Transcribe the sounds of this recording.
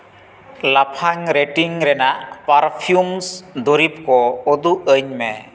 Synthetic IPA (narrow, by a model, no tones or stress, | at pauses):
lapʰaŋɾeʈiŋɾɛnaʔpaɾpʰijumsd̪ɔɾip̚kɔɔd̪uʔəɲmɛ